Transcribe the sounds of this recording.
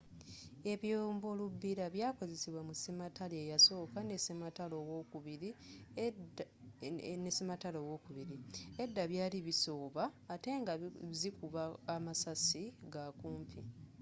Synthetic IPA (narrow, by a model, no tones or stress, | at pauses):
e̞βjoːmbo̞lubːiɾaβjaːko̞zesiβwamusimatalejaso̞ːkane̞semataloːwoːkuβiɾi | nesimataloːwo̞kuβiɾie̞dːaβjaːliβiso̞ːβaːte̞ːŋɡazikuβaːmasasiɡakuːmpʰḭ